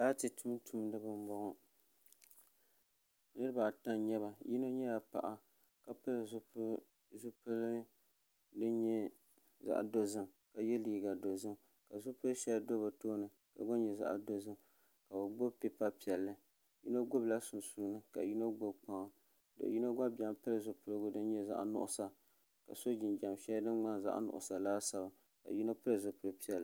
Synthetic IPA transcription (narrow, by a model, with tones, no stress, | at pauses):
da˦tɨ˨tu˦m˦tʰu˦m˦nɨ˦bɨ˦m˦bɔ˦ɡɔ˦ | nɨ˦ɾɨ˦ba˨ta˦nɲɛ˦βa˨ji˦no˦ɲɛ˦ja˨pa̰˨ʔa˨ | ka˨pɨ˦l | zʊ˦pɨ˦l | dɨ˦ɲɛ˦ | za̰˦˨ʔa̰˨do˨zɨ˦m | ka˨jɛ˦liː˨ɡa˨do˨zɨ˦m | ka˨zʊ˦pɨ˦ʃɛ˦ldo˦ba˨toː˦nɨ˨ka̰˨ɡo˦nɲɛ˨za̰˦˨ʔdo˦zɨ˦m | ka˨bo˨ɡ͡bo˦bpi˦pa˦pi˨ɛ˨lːɨ˦ | jḭ˦no˦ɡo˦bla˦sʊ˨nsu˨˦nɨ˦ka̰˨ji˦no˦ɡo˦bk͡pa˨ŋ˨ | do̰˨ʔji˦no˦ɡa˦ba˨mpɨ˦ɾɨ˨zʊ˨pɨ˨ɾɨ˦ɡʊ˦dɨ˦n˦ɲɛ˦za̰˦ʔnʊ̰˦ʔʊ̰˨sa˨ | ka̰˨so˦d͡ʒɪ˨nd͡ʒa˨mʃɛ˦ldɨ˦nŋ͡ma˦nza̰˦ʔnʊ̰˨ʔʊ̰˨sa˨laː˦sa˨ba˨ | ka̰˨ji˦no˦pɨ˦ɾɨ˨zʊ˨pɨ˨ɾɨ˦pi˦ɛ˨l